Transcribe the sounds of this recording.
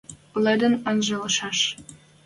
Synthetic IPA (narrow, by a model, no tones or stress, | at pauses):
lĕd̪ə̆nɤnʒəlɤ̆ʃɑʃ